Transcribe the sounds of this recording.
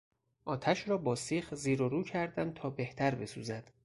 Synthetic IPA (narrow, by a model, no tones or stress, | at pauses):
ʔɒːt̪ʰæʃɾɒːbɒːsiːxziːɾoɾuːcʰæɾd̪ænd̪̚t̪ʰɒːbeht̪ʰæɾbe̞suːzæd̪̥